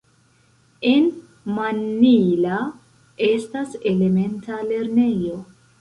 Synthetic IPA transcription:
e̞n | manːila | e̞stase̞le̞me̞ntale̞ɾne̞jo̞

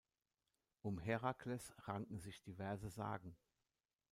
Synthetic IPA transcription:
ʔʊmɦɛʁakʰlɛsʁaŋkŋ̩zɪçd̥ivɛɐzəza̰ːɡŋ̩

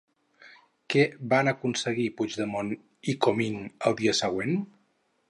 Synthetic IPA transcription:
kɛβanəkunsəɣipud͡ʒðəmon | ikominəlˠd̪iəsəɣwen

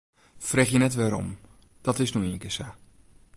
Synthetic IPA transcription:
frɛχjənɛtʋaːɾɔ̰m | d̥ɑtɪsnyiŋkɪsaː

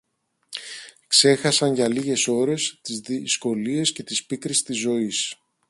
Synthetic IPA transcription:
kse̞xɐsɐnʝɐliʝe̞so̞ɾe̞st̪izðisko̞lie̞sce̞t̪ispikɾist̪izo̞is

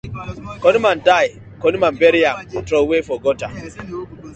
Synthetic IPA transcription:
kɔnimandaj | kɔnimambɛɾijamtɾowefɔɡɔta

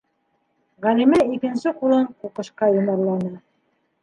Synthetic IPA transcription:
ʁælimæikɘ̆nsɘqulˠɤɴquqɤ̆ʃqɑjŏmɑɾlˠɑnɤ

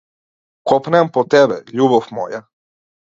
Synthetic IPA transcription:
kopnɛampot̪ɛbɛ̰ʎubofmo̰ja

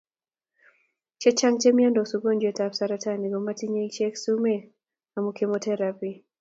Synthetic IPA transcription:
t͡ʃɛt͡ʃaŋt͡ʃɛmiandɔsuɡɔnd͡ʒɛtafsaɾataniɡɔmatiɲɛt͡ʃɛksumɛ | amukɛmɔtʰɛɾavi

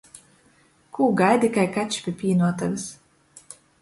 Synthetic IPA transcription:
kʰuːɡajd̪ʲikajkat͡ʃpʲipʲiːnuɔt̪avʲis

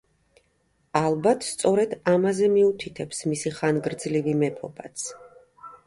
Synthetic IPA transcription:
alˠbat̪ʰst̪sʼɔɾɛd̪amazɛmiut̪ʰit̪ʰɛpsmisiχanɡɾd̪zlivimɛpʰɔbat̪sʰ

